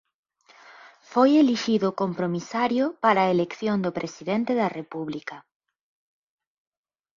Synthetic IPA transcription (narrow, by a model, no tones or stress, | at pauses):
fojeliʃiðʊkompɾomisaɾjopaɾaːelekθjond̪opɾesiðent̪eðɐrepuβlikɐ